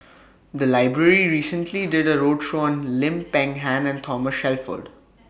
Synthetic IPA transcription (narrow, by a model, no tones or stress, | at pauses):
d̪əlaɪbɾəɾiɾiːsə̃nʈʰliɖɪɖəɾoːɖʃoːɔ̃nlɪ̃mpɛ̃ŋɦæ̃nɛ̃nt̪ʰɔːməsʃɛlfə̰ɾɖ